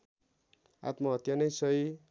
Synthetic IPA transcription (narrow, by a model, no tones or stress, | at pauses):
a̰t̪mʌɦʌt̪janʌjsʌj